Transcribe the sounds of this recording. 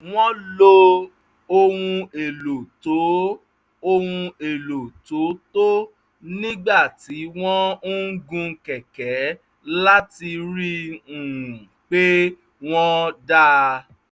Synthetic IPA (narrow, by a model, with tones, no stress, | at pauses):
w̃ɔ̃˦lo˧ | o˧wũ˧e˨lo˨to˨˦ | o˧hũ˧e˨lo˨to˨˦to˦ | nĩ˦ɡ͡ba˦˨ti˨˦w̃ɔ̃˦ɡũ˧kɛ˨kɛ˨˦ | la˦ti˧ɾi˦ũ˨k͡pe˦ | w̃ɔ̃˦da˦